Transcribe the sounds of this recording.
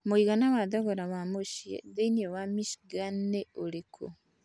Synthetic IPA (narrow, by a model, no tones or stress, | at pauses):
moiɣanawaðoɣoɾawamoʃiḛðenowamiʃiɡaneolikʰo̰